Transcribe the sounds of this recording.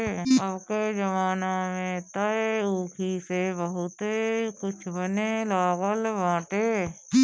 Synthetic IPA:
əbked͡ʒəʋaːnamẽt̪əuːkʰisebəɦʊt̪ekʊt͡ʃʰbənelaːɡəlʋãːʈe

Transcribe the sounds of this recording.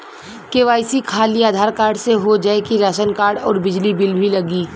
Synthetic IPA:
keʋaːɪsikʰaːliaːd̪ʱaːɾkaːɾɖseɦod͡ʒaːekiɾaːʃənkaːɾɽɔːɾbɪd͡ʒlibɪlbʱilɐɡiː

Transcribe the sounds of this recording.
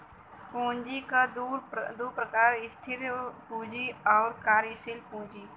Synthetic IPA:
kõːnd͡ʒiːkaɾd̪uːɾpɾəkaːɾɪst̪ʰɪɾpuːd͡ʒiːɔːɾkaːɾisɪlpũːd͡ʒiː

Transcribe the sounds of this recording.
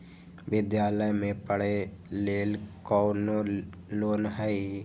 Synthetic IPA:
ʋɪd̪jaːləjmẽpəɽ̤eleːlkɔːno | loːnɦɛi

